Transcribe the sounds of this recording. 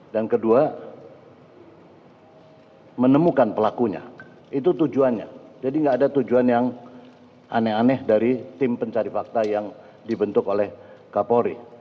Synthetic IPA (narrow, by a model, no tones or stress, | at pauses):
dankədua | mənəmukanpəlakuɲa̰ | it̪ut̪ud͡ʒuanɲa̰d͡ʒadiŋɡaːdat̪ud͡ʒuanjaŋ | ʔa̰nɛanɛhdaɾit̪ɪmpəɲt͡ʃaɾifak̚t̪ajaŋ | dibənt̪ʊkolɛhkapoɾi